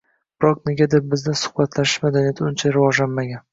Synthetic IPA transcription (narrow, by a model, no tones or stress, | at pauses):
b̥ɪɾɒkneɡʲad̪ep̚bɪzd̪asʊ̥χbat̪ʰlaʃɪ̥ʃmad̪anijat̪ʰʊnt͡ʃʰaɾɪvɒʒlanmaɡʲan